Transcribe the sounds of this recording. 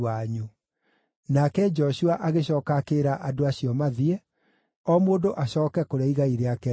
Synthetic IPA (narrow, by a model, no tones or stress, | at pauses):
aɲu | nakɛd͡ʒɔɕuaʔaɣeɕ̬ɔːkakeɾaʔadoaɕiɔmaðiɛ | ɔmoːdoʔaɕɔːkɛkoɾaiɣaiɾeakɛ